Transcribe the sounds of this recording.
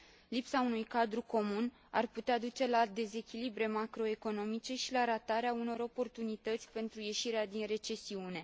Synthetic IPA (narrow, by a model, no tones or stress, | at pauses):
lipsaunujkad̪ɾuko̞mun | a̰rput̪ead̪ut͡ʃe̞lad̪e̞ze̞kʲilibɾe̞makɾo̞e̞ko̞no̞mit͡ʃe̞ʃilaɾat̪aɾeauno̞ɾo̞po̞rt̪unit̪ət̪sʲpe̞nt̪ɾuje̞ʃiɾead̪inre̞t͡ʃe̞siune̞